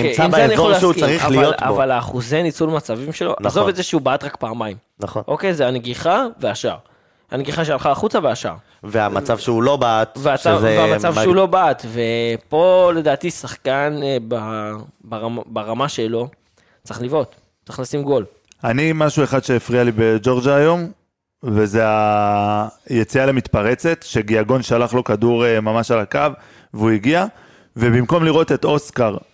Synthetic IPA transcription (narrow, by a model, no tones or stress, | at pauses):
ieimanijaoaʃukaʁialijota̰valaːχuzenit͡sulmat͡savimʃe̞lo̞̰ʔnazo̞vvetzeʃeubaʔːt̪ʁakpaːmaim | naχonʔo̞kejzeaneɡiχaveaʃa̰ʁ | haneɡiχaʃealχaːχut͡saveaʃa̰ʁ | veamat͡savʃulo̞bat̪veat͡sveveamat͡savʃeulo̞baat̪ve̞po̞le̞daːt̪isaχkanbabaʁbaʁamaʃelo̞ | t͡sχlivo̞t̪ | t͡sːʁeχlasimɡo̞l | animaʃueχad̪ʃe̞ːfʁialibed͡ʒo̞ʁd͡ʒaːjo̞m | ve̞zea | jet͡sialemit̪paʁe̞t͡se̞t̪ʃeɡiaɡo̞nʃalaχlo̞kaduʁemamaʃalakav | veuiɡia | vebimko̞mliʁo̞t̪et̪o̞skaʁ